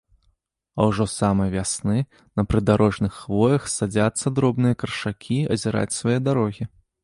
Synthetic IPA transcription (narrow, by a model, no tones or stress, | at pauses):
ɐwʐɔsamɨjɐvʲasnɨ | nɐpɾɨd̪aɾɔʐnɨxːvɔjɐxsad͡zʲat̪sːɐd̪ɾɔbnɨjɐkɐrʂakʲʰiɐ̰zʲɛɾʔa̰t͡sʲsvajɛd̪aɾɔɣʲi